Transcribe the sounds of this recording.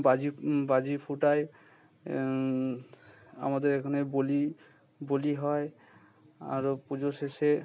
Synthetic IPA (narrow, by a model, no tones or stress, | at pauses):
bazibad͡ʒipʰuʈaj | a̰mad̪eɹekʰɔneboli | boliɦɔj | a̰ɹupud͡ʒosese